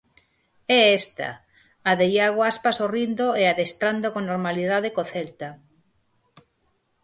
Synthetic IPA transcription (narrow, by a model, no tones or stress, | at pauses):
ɛest̪a̰ | aðejaɣoaspasorind̪oeaðest̪ɾand̪okonoɾmaliðaðekoθelt̪a